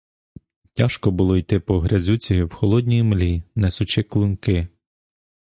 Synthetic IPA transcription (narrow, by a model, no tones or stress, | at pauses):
tʲaʃkɔbʊlˠɔjt̪ɪpɔɦɾʲɐzʲut͡sʲiiwxɔlˠɔd̪ʲnʲijmlʲinesʊt͡ʃɪklˠʊnkɪ